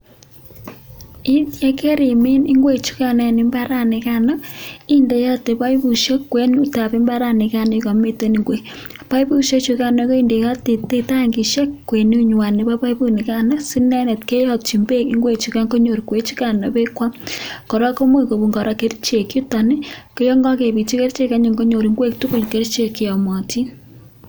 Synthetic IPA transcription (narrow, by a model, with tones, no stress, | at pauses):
i˦ðje˦ke˦ɾi˨mi˦ni˦ŋɡwe˨t͡ʃu̥˦ka˨ne˨ni˨mba˦ɾa˦ne˨ka˦nɔ˦i˦nde˨ja˦te˨pa˦i˦βu˨ʃe˦kːwe˦nu˦ta˨βe˦mba˦ɾa˦˨ne˨ka˦ni˦ka˨me˦te˦ni˨ŋɡwe˨ | pa˦i˦βu˦ʃe˦t͡ʃu˧ka˦no˨˦ko˦i˦nde˨ja˦te˨te˦ta˦ŋɡi˨ʃe˦kːwe˨nu˦ɲwa˨ne˨βa˦pa˦ibu˦ni˨ka˦na˦si˦nɛ˦nɛ˨tke˦jɔ˦t͡ʃi˨mbe˦ki˦ŋɡwe˦t͡ʃi˨ka˦ŋɡo˦ɲo˨ɾi˨kwe˦t͡ʃi˦ka˦˨no˨βe˦kwa˦ko˨ɾa˦ko˦mwe˦˨ko˨βu˨ŋɡɔ˨ɾa˨ke˦ɾi˦t͡ʃe˨kju˦ta˨ne˦ke˦jɔ˦ŋɡɔ˦ke˨βi˨t͡ʃi˦ke˦ɾt͡ʃe˦ka˦ɲe˨ŋɡo˦ɲo˨ɾi˨ŋɡwe˦ktu˦ku˨ɲke˦ɾit͡ʃe˨ki˨ɔ˨mɔ˨ti˦